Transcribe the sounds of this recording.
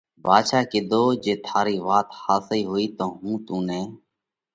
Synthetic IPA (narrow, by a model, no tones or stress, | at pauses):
bʱaːd̪ʃaːkɪːd̪oːd͡ʒeːt̪ʰaːɾiːʋaːt̪haːsiːɦoːiːt̪õːɦũːt̪ũːnɛː